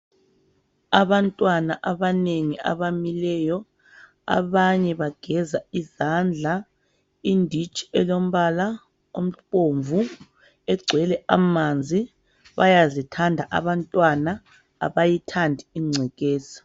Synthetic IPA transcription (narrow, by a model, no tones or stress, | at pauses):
aβantʼwanaʔaβaneŋia̰βamilɛjɔ | a̰βaɲɛβaɡ̥ʱɛzaizand͡ɮʱa | indʱit͡ʃʼi̥ɛlom̩βala | om̩oɱvʱu | ɛɡ͡ǀʱwɛlɛʔa̰mand͡zʱi | βajazitʰandʱaʔa̰βantʼwana̰ː | βajitʰandʱiiŋ͡ǀʱɛɣɛːsi̥